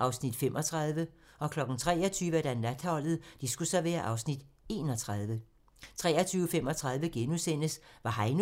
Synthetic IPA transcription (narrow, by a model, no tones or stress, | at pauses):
ʔɑ̈ʊsnid̥femʔɒ̽t͡sʰʁɑ̈ð̞ˠʋəɒ̽kʰlɒ̽ɡ̥n̩t͡sʰʁɛ̰ːɒt͡sʰyːʋəæd̥ænlæd̥ɒ̽l̰ð̞̩ˠd̥isɡ̥usɒʋḛːɐʔɑ̈ʊsnid̥e̝ːnɒ̽t͡sʰʁɑðˠʋə | t͡sʰʁɛ̰ːɒt͡sʰyːʊəfemɒ̽t͡sʰʁɑ̈ðˠʋəɡ̥enusen̰əsʋɑ̈ɦɑ̈ɪn